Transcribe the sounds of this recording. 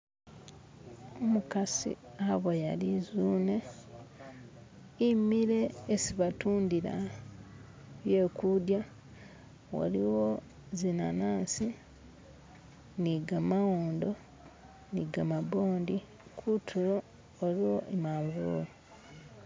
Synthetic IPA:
omukasḭaβojalizune | imiɾe̞ːsiβatuːndiɾa̰ | βje̞ːkudja | wa̰liwo | zina̰naːnsi | niɡamawoːndo̞ | niɡamabo̞ːndi | kʰutʰuɾoː | liwo̞ʔemaːɱɡuɾo̰

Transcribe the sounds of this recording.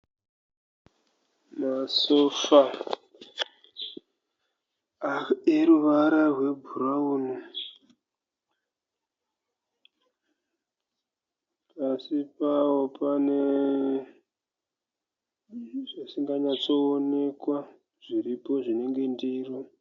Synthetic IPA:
masofa | eɾuʋaɾarwe̞bʱuɾauːnu | pasipawopane̞ | ʐasiŋɡaɲat͡so̞ːne̞kwa | ʐ̥iɾipo̞ʐine̞ŋɡe̞ndiːro

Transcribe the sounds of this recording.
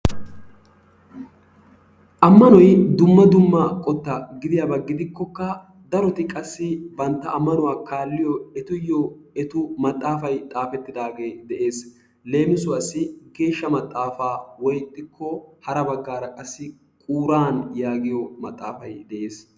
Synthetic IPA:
ʔɐmːɐnɔjd̪ʊmːɐd̪ʊmːɐkʼɔt̪ːɐɡɪd̪ɪjɐbɐɡːɪd̪ɪkːɔkːɐ | d̪ɐɾɔt̪ɪkʼɐsːɪbɐnt̪ːɐɐmːɐnʊwaːkaːlːɪjɔɛt̪ʊjːɔɛt̪ʊmɐt̪ʼːaːfɐjt̪ʼaːfɛt̪ːɪd̪aːɡe̞ːd̪ɛʔe̞ːs | le̞ːmɪsʊwɐsːɪɡe̞ːʃːɐmɐt̪ʼːaːfaːwɔjt̪ʼːɪkʰːɔhɐɾɐbɐɡːaːɾɐkʼɐsːɪ | kʼuːɾaːnjaːɡɪjɔmɐt̪ʼːaːfɐjd̪ɛʔe̞ːs

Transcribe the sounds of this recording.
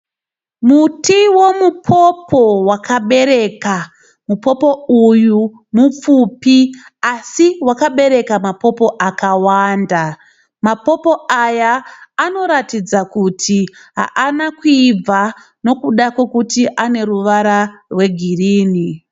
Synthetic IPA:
mutiwo̞mupʰo̞pʰo̞wakaɓe̞ɾe̞ka | mupo̞po̞uju | mup͡fupiasiwakaɓe̞ɾe̞kamapo̞po̞ʔakawanda | mapo̞po̞ajaːno̞ɾatid͡zakutʰiɦa̰ʔanakuib͡va | no̞kuɗakwe̞kutiʔane̞ruʋaɾarwe̞ɡʱiriːni

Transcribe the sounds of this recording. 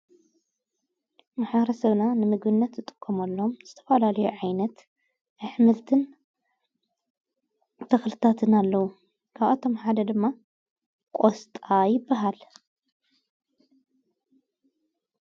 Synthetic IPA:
maħbɐɾɐsɐβnanɨmɨɡbɨnːɐt̪zɨt̪ʼɨ̥kʰːomɐlːoomz̥ɨt̪ʰɐ̥fɐlalɐjuʕajnɐt̪ | ʔɨħmɨlt̪ʰɨn | t̪ʰɐxlɨt̪ʰat̪ʰɨnalːɐwu | kʰaβat̪ʰo̞mħad̪ɐd̪ɨmːa | kʷʼost̪ʼajɪbːaɦal

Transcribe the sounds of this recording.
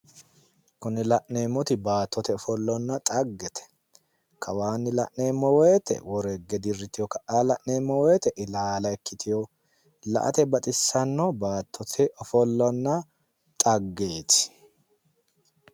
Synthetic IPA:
kʊnɪlɐʔne̞ːmːɔt̪ɪbaːt̪ʰːɔt̪ɛɔfɔlːɔnːɐt̪ʼɐɡːɛt̪ʰɛ̥ | kʰɐwaːnːɪlɐ̰ʔneːmːɔwɔjt̪ɛ̰wɔɾɛɡːɛd̪ɪrːɪt̪ɪjɔkɐʔaːlɐʔneːmːɔwɛjt̪ɛʔɪlaːlɐɛkːɪt̪ɪjɔ | lɐ̰ʔɐ̰t̪ɛbɐt̪ʼɪsːɐnːɔbaːt̪ʰːɔt̪ʰɛʔɔfɔlːɔnːɐ | t̪ʼɐɡːe̞ːt̪ɪ̥

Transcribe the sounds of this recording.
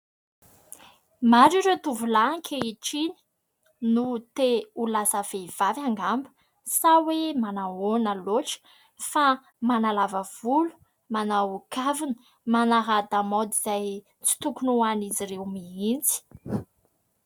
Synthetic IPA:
maɾiɾet̪uvulaŋkʰʲeiʈ͡ʂini̥ | nut̪eulasəv̥ev̥avaŋɡambu̥ | sawemanaonəloʈ͡ʂə̥ | fa | manalavəv̥ulu̥ | manawukʰavinə̥ | manaɦad̪amod̪izaj | t͡si̥t̪ukunuaniziɾewmiint͡si̥

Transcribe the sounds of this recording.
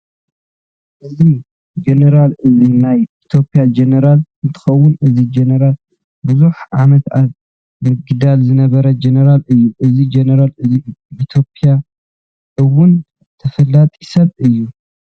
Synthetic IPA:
ʔɨzi | d͡ʒenɐɾalʔɨzinajit̪ʰjo̞pʼijad͡ʒenɐɾalɨnt̪ʰɨ̥xɐwːʊnɨzid͡ʒenɐɾal | bɨzuħʕamɐt̪at | mɨɡɨd̪alzɨnɐβɐɾɐd͡ʒenɐɾalɨjːuʔɨzid͡ʒenɐɾalɨziit̪ʰjo̞pʼija | ʔɨwun | t̪ʰɐfɐlːat̪ʼi̥sɐβɨjːu

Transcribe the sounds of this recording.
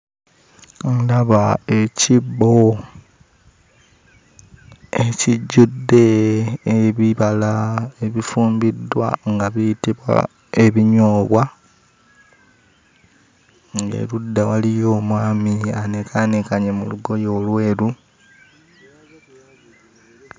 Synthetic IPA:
laβae̞cibo | eciɟːudːe̞ː | βiβalae̞βifuːmbidːwa̰ŋɡaβijitiβwa̰ | e̞βiɲo̞ːβwa | ŋɡḛludːawalijo̞ːmwaːmianekʰanekaɲemuluɡo̞jo̞ːlwe̞ːɾu

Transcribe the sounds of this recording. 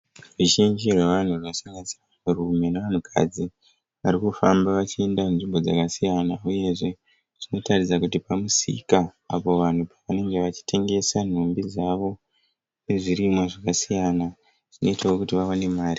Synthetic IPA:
ruʒind͡ʒirweʋan̤urnosaŋɡansiramurume̞neʋan̤ukʰa̰d͡zi | ʋaɾikufambaʋat͡ʃie̞ndamunʐimbo̞d͡zakasijanauje̞ʐe̞ | ʐ̥ino̞tarid͡zakutipamusḭkaːpo̞ʋan̤upaʋane̞ŋɡe̞ʋat͡ʃi̥tʰe̞ŋɡe̞san̤umbid͡zaʋo̞ | ne̞ʐirimoʐakasijana | ʐ̥ino̞itaokutiʋawane̞maːri

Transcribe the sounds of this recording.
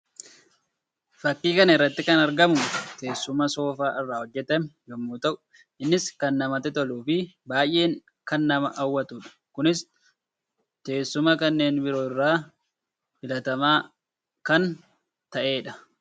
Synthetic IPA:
fɐkːiːkɐnɐɪrːɐt̪ːɪkɐnɐɾɡɐmʊt̪e̞ːsːʊmɐso̞ːfaːʔɪrːaːhɔd͡ʒːɛt̪ɛmjɔmːuːt̪ɐʔʊ̥ | ɪnːɪskɐnːɐmɐt̪ɛt̪ɔluːfɪ | baːjʔe̞ːŋ | kɐnːɐmɐʔɐwːɐt̪uːᶑɐ̥kʊnɪs | t̪e̞ːsːʊmɐkɐnːe̞ːnbɪɾo̞ːɪrːaː | bɪlɐt̪ɐmaː | kɐn | t̪ɐʔe̞ːᶑɐ̥

